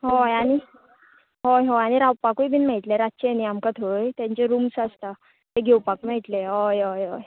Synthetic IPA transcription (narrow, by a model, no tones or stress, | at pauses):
ɦojañi | ɦojɦoaɽ̃iɾawpakujbʱinmeɭʈleɾatt͡ɕeeniamkat̪ʰojt̪jãɲt͡ɕeɾumsast̪a | t̪eɡʱewpakmɛʈleɦojɦojɦoj